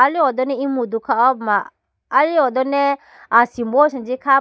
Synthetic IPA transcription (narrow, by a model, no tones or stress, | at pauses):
aliɔd̪ɔnɛimud̪ukaɔbmaː | liɔd̪ɔnɛ | asimboʃind͡ʒika